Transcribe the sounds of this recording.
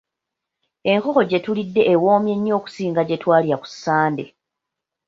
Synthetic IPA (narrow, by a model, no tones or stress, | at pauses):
e̞ŋko̞xo̞ɟe̞tulidːe̞ʔːwo̞ːmje̞ɲːo̞ːku̥siːŋɡaɟe̞twaːliɾaku̥sːaːnde̞